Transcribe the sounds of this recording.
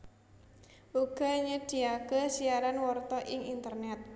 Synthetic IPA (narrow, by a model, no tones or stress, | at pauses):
ʔuɡ̥ɔ̤ɲəd̥i̤akesiaɾanwɔrt̪ɔʔɪŋint̪ərnɛt̪̚